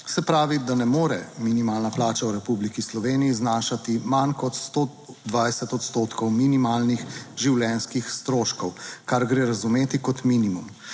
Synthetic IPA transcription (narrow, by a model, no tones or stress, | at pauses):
sɛpɾaːʋid̪anɛmoːɾɛ̰minimaːlnaplaːt͡ʃawɾɛpublikislɔʋeːnijiznaːʃat̪imankɔt̪st̪o | d̪ʋajsɛt̪ɔt̪st̪oːt̪kɔwminimaːlnixʒiwlɛnskixst̪ɾoːʃkɔwkaɾɡɾeːɾazumeːt̪ikɔt̪minimum